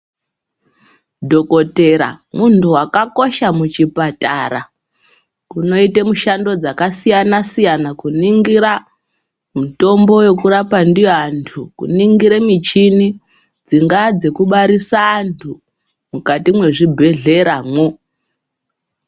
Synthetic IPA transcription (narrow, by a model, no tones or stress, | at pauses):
dʱo̞ko̞te̞ɾa̰muntʰuwakako̞ʃamut͡ʃipata̰ɾa | kuno̞itemuʃando̞d͡zakasijanasijanakuniŋɡiɾa | muto̞mbo̞jo̞kuɾapandiantʰukṵniŋɡiɾemit͡ʃini | d͡ziŋɡad͡ze̞kuɓaɾisaːntʰu | mukatimwe̞ʐibʱe̞ɮe̞ɾamwo